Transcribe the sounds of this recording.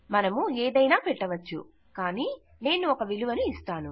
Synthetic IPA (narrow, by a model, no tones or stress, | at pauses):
mɐnɐmueːd̪ɐjnaːpɛʈːɐʋɐt͡ʃːṵ | kaːniː | ne̞ːnuɔkɐʋiluʋɐnuist̪aːnu